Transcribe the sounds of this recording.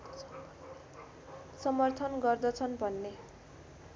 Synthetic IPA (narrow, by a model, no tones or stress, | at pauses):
sʌmʌrt̪ʰʌnɡʌrd̪ʌt͡sʰʌnbʱʌnːe